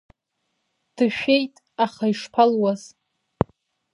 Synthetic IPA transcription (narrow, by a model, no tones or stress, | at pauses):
d̥ɨʃᶣejtʼ | aχaiʂpʰalwaz̥